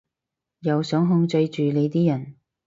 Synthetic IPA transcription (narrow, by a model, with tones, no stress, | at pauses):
jɐ˨˧wsœː˨˥ŋɦʊ˧ŋt͡sɵ˧jt͡ʃyː˨le˨˧jt̪iː˥jɐ˨˩n